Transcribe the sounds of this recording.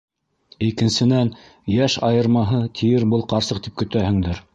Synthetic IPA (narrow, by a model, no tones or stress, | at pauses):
ikɘ̆nsɘ̆næn | jæʃɑjɤ̆ɾmɑɦɤt̪ʰijɘɾbɤlˠqɑɾsɤq̚t̪ip̚kɵ̆t̪æhɘ̆ŋd̪ɘɾ